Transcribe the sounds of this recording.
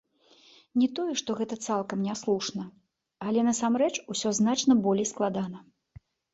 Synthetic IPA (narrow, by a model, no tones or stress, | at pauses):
nʲɛt̪ɔjɛʂt̪ɔɣɛt̪ɐt̪salˠkɐmnʲaslˠuʂnɐ | alʲɛnɐsamɾɛt͡ʂusʲɔznat͡ʂnɐbɔlʲejsklˠad̪anɐ